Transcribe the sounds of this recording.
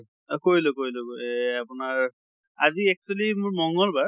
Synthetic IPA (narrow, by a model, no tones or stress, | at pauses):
koɹilʊkoɹiloapʊnaɹ | a̰ziɛk̚solimʊɹmɔŋɡɔlbaɹ